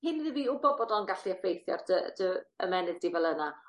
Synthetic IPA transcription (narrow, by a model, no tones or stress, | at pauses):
hɪniðiviːʊbɔbɔdɔlˠənɡaɬiəfejθjɔ̰rd̥əd̥əəmɛnɨdivɛlˠəna